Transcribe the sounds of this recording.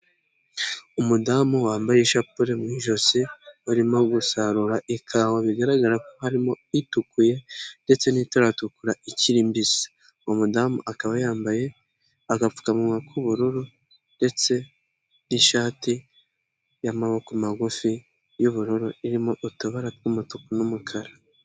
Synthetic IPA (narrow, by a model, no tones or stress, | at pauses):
umudamuwaːmbajeʃapuɾemŋiʒo̞siuɾimo̞ɡusaɾuɾaʔikʰawaβiɡaɾaɡaɾakohaɾimo̞ | itukuje̞nde̞t͡se̞nitaɾatukuɾaiciɾimbisi̥ | omudamṵʔakaβajaːmbaje̞ | aɡafu̥kamuakuβuɾuɾu | nde̞t͡se̞ | niʃaːti | jamaβokumaɡufi | juβuɾuɾuiɾimo̞ʔutuβaɾatkumutukunumukʰaɾa